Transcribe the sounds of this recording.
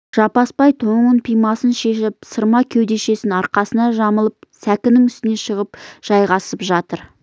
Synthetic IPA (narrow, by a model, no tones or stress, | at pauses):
ʒ̥ɑpɑspɑjt̪ʰoɴənpʰijmɑsənʃe̞ʃɪp̚səɾmɑkʲʰewd̪e̞ʃe̞sɪnɑɾqɑsənɑʒɑməlˠəp̚sækʲɪnɪŋʏst̪ɪne̞ʃəʁəpʒ̥ɑjʁɑsəpʒɑt̪əɾ